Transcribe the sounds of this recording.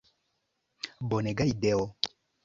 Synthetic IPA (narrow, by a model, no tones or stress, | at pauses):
bɔnɛɡaidɛɔ